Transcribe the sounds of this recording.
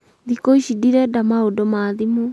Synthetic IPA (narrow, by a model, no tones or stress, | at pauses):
ðikoisidiɾadamaodomaːðimu